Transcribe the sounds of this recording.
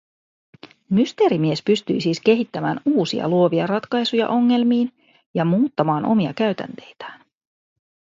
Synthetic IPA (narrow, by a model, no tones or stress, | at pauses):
myst̪e̞ːɾimie̞spyst̪y̰jsiːske̞ɦit̪ːæmæːnuːsḭɑ̰luoʋiɑrɑt̪kɑjsujɑ̰ʔo̞ŋːe̞lmiːn | jɑmuːt̪ːɑmɑːnʔo̞̰miɑ̰kæɥt̪æ̰nt̪e̞jt̪æ̥ːn